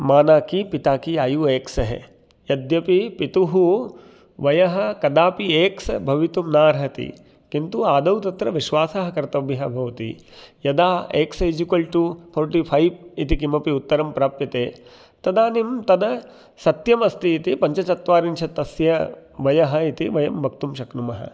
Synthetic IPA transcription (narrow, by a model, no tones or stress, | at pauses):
maːnaːkipit̪aːkiaːjueːksɐɦḛ | jɐd̪jɐpipit̪uɦu | ʋɐjɐɦɐ̆kɐd̪aːpieːksɐbʱɐʋit̪umnaːɾɦɐt̪ḭ | kint̪uaːd̪ɐwt̪ɐt̪ɾɐʋiʃʋaːsɐɦɐkɐɾt̪ɐbjɐɦɐbʱɐʋɐt̪ḭ | jɐd̪aːeːksejd͡ʒikɐlʈupʰoːɾʈipʰɐjʋit̪ik̬imɐpiut̪ːɐɾɐmpɾaːpjɐt̪eː | t̪ɐd̪aːnimt̪ɐd̪ɐ | sɐt̪jɐmɐst̪iːt̪ipɐɲt͡ʃɐt͡ʃɐt̪ʋaːɾinʃɐt̪ːɐsjɐʋɐjɐɦɐit̪iʋɐjɐmːɐkt̪umʃɐknumɐɦɐ̰